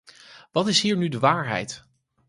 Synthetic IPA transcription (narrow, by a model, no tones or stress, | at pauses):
ʋɑtɪsɦiːɹnydəʋaːɹɦɛ̰jt